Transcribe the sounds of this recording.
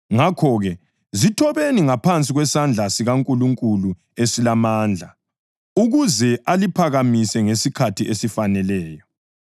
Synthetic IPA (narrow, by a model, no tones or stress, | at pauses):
ŋakʰɔɣɛ | zitʰɔβeniŋapʰant͡sʼiɣwɛsand͡ɮʱasiɣaŋkʼuluŋkʼulu | esilamaːnd͡ɮʱa | uɣuzɛʔalipʰaɣamisɛŋesikʰatʰiʔesifanɛlɛːjɔ